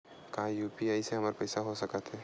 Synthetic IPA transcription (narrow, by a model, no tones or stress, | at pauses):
kɐɦãjuːpiaiseɦɐməɾpɐɪsaɦosɐkat̪ɦɛː